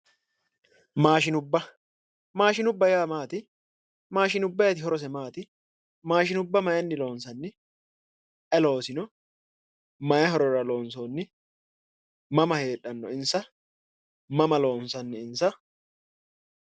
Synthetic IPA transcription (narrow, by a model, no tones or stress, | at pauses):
maːʃɪnʊbːɐ | maːʃɪnʊbːɐjaːmaːt̪ɪ | maːʃɪnʊbːɐjɐt̪ɪhɔɾɔs̬ɛmaːt̪ɪ | maːʃɪnʊbːɐmɐjɐnːɪlo̞ːnsɐnːɪ | ʔɛlo̞ːsɪnɔ | mɐjɐɦɔɾɔɾɐlo̞ːnso̞ːnːɪ | mɐmɐhe̞ːᶑːɐnːɔ̰ɪnsɐ | mɐmɐlo̞ːnsɐnːɪɪnsɐ